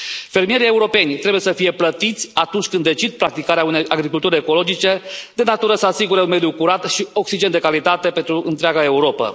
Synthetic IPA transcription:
fe̞ɾmije̞ɾije̞uɾo̞pe̞nʲt̪ɾe̞bujesəfije̞plət̪it̪sʲat̪unt͡ʃʲkɨnd̪e̞t͡ʃid̪̚pɾak̚t̪ikaɾeaunejaɡɾikult̪uɾeeko̞lo̞d͡ʒit͡ʃe̞d̪enat̪uɾəsəasiɡuɾeunmed̪jukuɾat̪ʃio̞ksid͡ʒenekalit̪at̪e̞pe̞nt̪ɾuʔɨnt̪ɾeaɡae̞uɾo̞pə̰

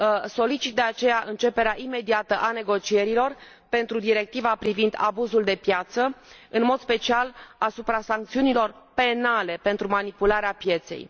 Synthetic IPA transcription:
so̞lit͡ʃit̪̚d̪e̞at͡ʃe̞jaʔɨnt͡ʃe̞pe̞ɾeaʔime̞d̪iat̪əʔane̞ɡo̞t͡ʃie̞ɾilo̞r | pe̞nt̪ɾud̪iɾe̞k̚t̪ivapɾivind̪a̰buzuld̪e̞pjat̪sə | ɨnmo̞d̪spe̞t͡ʃialasupɾasaŋk̚t̪siunilo̞r | pe̞nale̞pe̞nt̪ɾumanipulaɾeapje̞t̪se̞̰j

